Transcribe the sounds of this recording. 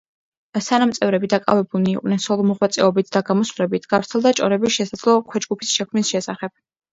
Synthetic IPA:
sʰanamt̪sʼɛvɾɛbid̪akʼa̰vɛbuniːqʼnɛnsɔlˠɔmɔʁwat̪sʼɛɔbit̪ʰd̪aɡamɔsvɾɛbit̪ʰɡ̥avɾt̪ʰɛlˠd̪at͡ʃʼɔɾɛbisʃɛsad̪z̥lˠɔkʰwɛd͡ʒɡupʰisʃɛkʰmnisʃɛsaχɛb̥̚

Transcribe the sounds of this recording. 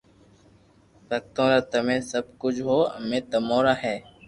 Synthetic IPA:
pək̚t̪õːɾaːt̪əmẽːsəb̚kʊd͡ʒɦoːə̰mẽːt̪əmõːɾaːɦɛː

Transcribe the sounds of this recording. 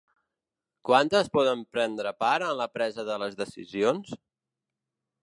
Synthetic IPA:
kwant̪əspɔðəmpɾɛnd̪ɾəpaɾənləpɾɛzəðələzðəsḭzions

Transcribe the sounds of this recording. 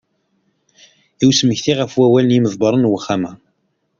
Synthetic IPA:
iwsməçθiʁəfwæwælənjiməðˤbəɾˤənwəχːamæ

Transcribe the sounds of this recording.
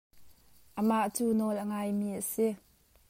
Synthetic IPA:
ʔəmaʔt͡suːnɔlʔəŋaːjmiːʔəsi

